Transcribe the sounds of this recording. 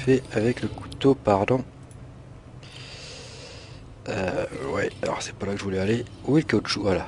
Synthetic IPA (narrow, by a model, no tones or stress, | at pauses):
fɛavɛkləku̥t̪opaʁd̪ɔ̃ | øwɛalɔ̰ʁsɛ̥palakəʒəvulɛalewilkaʃuvala